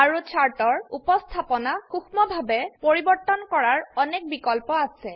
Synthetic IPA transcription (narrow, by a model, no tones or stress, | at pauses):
aɹut͡ʃʰaɹtɔɹupɔst̪ʰapɔnaxuxmɔbʱabɛpoɹibɔɹt̪ɔnkɔɹaɹɔnɛk̚bikɔlpɔasɛ